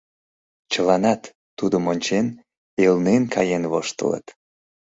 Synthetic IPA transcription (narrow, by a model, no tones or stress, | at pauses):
t͡ɕəlɑnɑt̪ː | ud̪əmonʲt͡ɕen | elnenkʰɑjenvoʃt̪ə̰lə̰t̪